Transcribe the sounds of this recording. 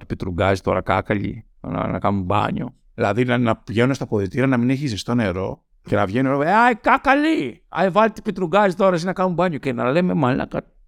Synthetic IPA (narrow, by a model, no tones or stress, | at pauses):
t̪i̥pit̪ɾuɡɐzit̪o̞ɾɐkɐ̰kɐʎḭ | nɐ̰nɐ̰kɐnumbɐ̰ɲo̰ | ðilɐðinɐnɐpʝenumst̪ɐpoðit̪iɾɐnɐmineçizest̪o̞ne̞ɾo̞ | ce̞nɐvʝenɾoeajkakɐliɐ̰jvɐlt̪i̥pit̪ɾuɡɐzit̪o̞ɾɐsinɐkɐnumbɐɲocenɐlememɐlnɐ̰kɐ